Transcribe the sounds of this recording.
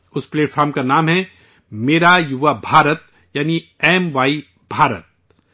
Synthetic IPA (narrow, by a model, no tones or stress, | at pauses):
ʊspleːʈfʰaːɾmkanaːmɦɛ | meːɾajʊʋabʱaːɾət̪ | jaːniɛːmʋaːi | bʱaːɾə̰t̪̚